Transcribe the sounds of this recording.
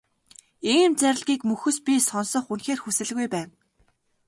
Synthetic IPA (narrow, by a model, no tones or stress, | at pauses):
iːmt͡sæɾʲɪ̆ɮɣʲiːkmɵxɵ̆spʲisɔnsɞ̆χunxeːrxusɘ̆ɮɣujpæːn